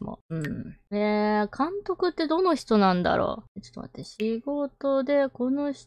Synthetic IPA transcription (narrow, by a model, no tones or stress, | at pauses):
mo̰ɯ̟̃ɴekʰãnt̪o̞kɯ̟t̪ːe̞d̪o̞no̞çi̥t̪onãnd̪a̰ɾo̰ːt͡ɕot̪oma̰t̪ːeɕiɡo̞t̪o̞d̪e̞ko̞noçi̥